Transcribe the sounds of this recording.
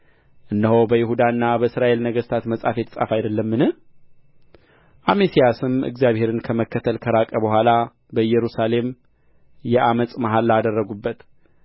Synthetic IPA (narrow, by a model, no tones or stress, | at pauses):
ʔɨnːəhowbəjɪɦud̪aɨnːabəɨsɾaʔe̞lnəɡəst̪ʰat̪məsʼafet̪ʰːə̥sʼa̰fajd̪əlːəmːɨnɨh | ʔamesijasɨmɨ̰ɡzjaβhe̞ɾɨnkʰəməkːət̪ʰəlkʰəɾakʼəbəɦʷala | bəjɛɾusale̞m | jɛʔamət͡sʼmaɦalːad̪ərːəɡubːət̪